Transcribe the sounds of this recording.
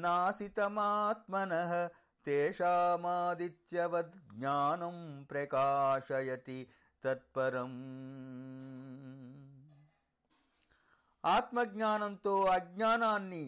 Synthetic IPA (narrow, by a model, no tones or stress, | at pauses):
naːsit̪ɐmaːt̪mɐnɐɦɐ̆ | t̪eːʃaːmaːd̪it̪jɐʋɐd̪ɡɲaːnɐmpɾɐkaːʂɐjɐt̪i | t̪ɐt̪̚pɐɾɐm | aːt̪mɐɡɲaːnɐnt̪oːɐɡ̚ɲaːnaːnːi